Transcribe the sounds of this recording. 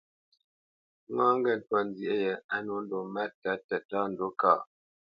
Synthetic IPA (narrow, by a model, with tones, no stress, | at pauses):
ŋaː˦ŋ˦ɡɛ˦˨n˨twa˨n˦zi˨ʔe˦jɛ˨a˦no˨˦n̩˦do˨ma˦ta˦tɛ˨ta˦n̩˨do˦kaː˦˨